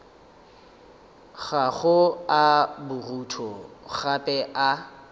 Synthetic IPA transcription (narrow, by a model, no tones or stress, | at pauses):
ɣaχʊabʊrutʰɔχapʼɛʔa